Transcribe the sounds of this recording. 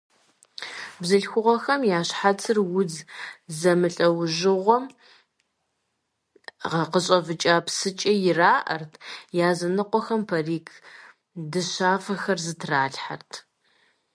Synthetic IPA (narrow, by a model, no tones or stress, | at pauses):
bzɨɬxʷʊʁɐxɐmjaːɕħat͡sʰɨrwʊd͡zzɐmɨɬʼɐwʑɪʁʷɔm | ʁɐqəɕʼɐvɨt͡ʃʼaːpsɨt͡ʃʼɐjɪraːʔɐ̰rtʰjaːzɐnɨqʷɔxɐmpʰɐriːkʰ | dɨʃaːfɐxɐrzɨtʰraːɬħa̰rtʰ